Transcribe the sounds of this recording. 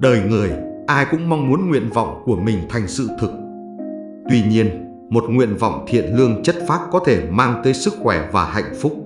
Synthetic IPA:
ɗəː˨˩jŋɨ˨˩əjʔaː˧jkʊ̰˧˥ŋ͡mma˧wŋ͡mmu˨˦ənŋwḭ˧˨ənvɔ̰˧˨wŋ͡mku˧˩əmï˨˩ŋ̟t̪ʰa˨˩jŋ̟sɨ̰˧˨t̪ʰɨ˨˩k̚ | t̪wi˧ɲi˧ən | mo˨˩t̚ŋwḭ˧˨ənvɔ̰˧˨wŋ͡mt̪ʰḭ˧˨ənlɨ˧əŋt͡ɕə˦˥t̚faː˦˥p̚kɔ˨˦t̪ʰe˧˩maː˧ŋt̪əː˨˦jsɨ˦˥k̚xwɛ˧˩vaː˨˩ha̰˧˨jŋ̟fʊ˦˥k͡p̚

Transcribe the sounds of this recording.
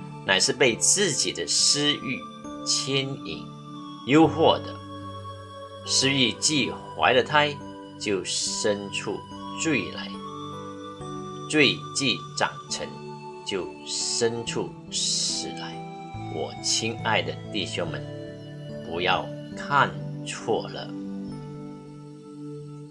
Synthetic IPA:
na˨˩ɪʂɻ̩˥˧pe˥˧ɪt͡sɹ̩˥˩t͡ɕi˨˩d̪ə˦ʂɻ̩˥y˥˩ | t͡ɕʰjɛ˥nḭ˨˩ŋ | jo˥ʊxwɔ˥˩d̪ə̰˩˦ | ʂɻ̩˥y˥˧t͡ɕi˥˨˩xwa̰˧˥ɪlə˨t̪ʰa˥ɪ | t͡ɕjo˥˩ʊʂə˥nʈ͡ʂʰṵ˥˩ | t͡swe˥˩ɪla̰˧˦ɪ | t͡swe˥˧ɪt͡ɕi˥˩ʈ͡ʂɑ̰˨˩ŋʈ͡ʂʰə˧˦ŋ | t͡ɕjo˥˩ʊ | ʂə˥nʈ͡ʂʰu˥˩ | ʂɻ̩˨˩la˧˦ɪ | wɔ̰˨˩t͡ɕʰi˥ŋa˥˩ɪd̪ə˩t̪i˥˩ɕjo˥ŋmə̰˨n | pu˧˥jɑ˥˩ʊkʰa˥˨nt͡sʰwɔ̰˥˩lə̰˦

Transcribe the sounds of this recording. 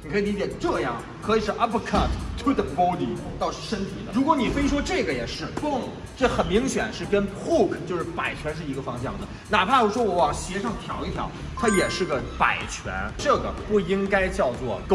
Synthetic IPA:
ni˨˩kʰɤ˧˥i˨˩li˧˥t͡ɕjɛ˨˩ʈ͡ʂɤ˥˧jɑ̰˥˩ŋ | kʰɤ˧˥i˨˩ʂɻ̩˥˧ʔa˥pʰkʰa˥˩tt̪ʰwɪ˥t̪bo˥d̪i˨˩˧t̪ɑ˥˧ʊʂ̩˥˩ʂə˥nt̪ʰḭ˨˩d̪ə̰˦ɻu˧˥kwɔ˧˥ni˨˩fe˥ɪʂwɔ˥ʈ͡ʂɤ˥˩ɡə˩jɛ˨˩ʂɻ̩˥˩kʊ˥˩ŋ | ʈ͡ʂɤ˥˩xə˨˩nmi˧˥ŋɕjɛ̰˨˩nʂɻ̩˥˩kə˥nxu˥˩kʰt͡ɕjo˥˧ʊʂɻ̩˥˩pa˨˩ɪt͡ɕʰɥɛ˧˥nʂ̬ɻ̩˥˩i˧˥ɡə˧fɑ˥ŋɕ̬jɑ̰˥˩ŋd̪ə˩ | na˨˩pʰa˥˩jo˧˩ʂwɔ˥wɔ˧˥wɑ˨˩ŋɕjɛ˧˥ʂɑ˥˩ŋt̪ʰjɑ˨˥ʊi˥˩t̪ʰjɑ̰˧˥ʊ | t̪ʰa˥jɛ˨˩ʂɻ̩˥˩ɡə˩pa̰˨˩ɪt͡ɕʰɥɛ̰˧˥nʈ͡ʂɤ˥˩ɡə̰˩pu˥˩i˥ŋka˥ɪt͡ɕjɑ˥˧ʊt͡swɔ˥˩k

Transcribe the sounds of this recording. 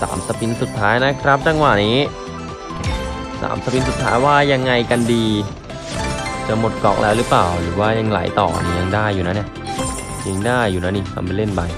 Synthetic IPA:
sa̰ː˩˦msa˧pʰi˧nsu˨˩t̪ʰːaː˦˥jna˦˥kʰɾa˦˥p̚t͡ɕa˧ŋwa˨˩niː˦˥ | sa̰ː˩˦msa˧pʰi˧nsu˨˩t̪ʰːaː˦˥jwaː˥˩ja˧ŋːa˧jka˧ndiː˧ | t͡ɕa˧˩mo˨˩t̪̚kɔː˨˩k̚lʔɛː˦˥wɾɯː˦˥plaː˨˩wɾɯː˩˦waː˥˩ja˧ŋla̰˩˦jt̪ɔː˨˩ni˧˩ja˧ŋdaː˥˩jːuː˨˩na˦˥na˧˥˩ | ja˧ŋdaː˥˩jːuː˨˩na˦˥ni˧˩kʰa̰˧mpa˧le˥˩nba˧ŋ

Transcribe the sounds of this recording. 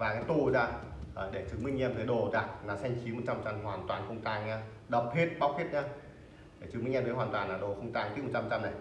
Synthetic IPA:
vaː˨˩ka˨˦t̪u˧˩˨zaː˧˩ə˨˩ɗe˧˩t͡ɕɨ˨˦ŋmï˧ŋɲɛ˧mt̪əː˨˦ɗo˨˩zaː˧˩naː˨˧˩sɛ˧jŋ̟t͡ɕi˨˦mo˨˩t̚t͡ɕa˧mt͡ɕa˧mɦwaː˨˩nt̪waː˨˩nxə˧wŋ͡mt̪aː˧˩ŋa˧ | ɗə˨˩p̚hi˦˥t̚ɓa˨˦˥w̚hʰi˦˥t̚ɲaː˧ | ɗe˧˩t͡ɕɨ˨˧˦ŋmi˧ŋʔmvə˨˦ɦwaː˨˩nt̪waː˨˩naː˨˧˩ɗo˧˩xə˧wŋ͡mt̪aː˧˩ŋt̪i˦˥m˨˩tt͡ɕa˧˨˧t͡ɕa˧mna˨˩j

